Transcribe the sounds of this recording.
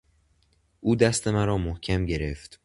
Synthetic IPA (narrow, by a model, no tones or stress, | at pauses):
ʔuːd̪æst̪ʰe̞mæɾɒːmohcʰæmɟe̞ɾe̞ft̪